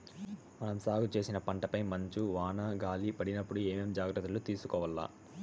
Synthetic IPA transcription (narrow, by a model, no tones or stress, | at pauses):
mɐnɐmsaːɡut͡ʃe̞ːsinɐpɐɳʈɐpɐjmɐɲt͡ʃuʋaːnɐɡaːlipɐɽinɐpːuɽueːmeːmd͡ʒaːɡɾɐt̪ːɐlut̪iːsu̥kɔːʋɐlːa̰ː